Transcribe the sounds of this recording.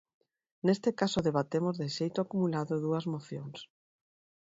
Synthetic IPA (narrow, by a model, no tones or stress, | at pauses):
nest̪ɪkasʊðeβ̞at̪emozðeʃejt̪ʊakumulaðʊðuɐzmoθjoŋs